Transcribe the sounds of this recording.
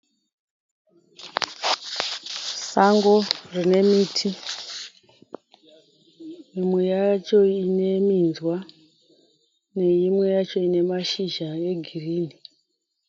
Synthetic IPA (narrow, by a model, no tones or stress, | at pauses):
saŋɡo̞rine̞miːtʰi | mimwe̞jat͡ʃo̞ine̞minzwa | ne̞imwe̞jat͡ʃo̞ine̞maʃiʒaje̞ɡʱiriːni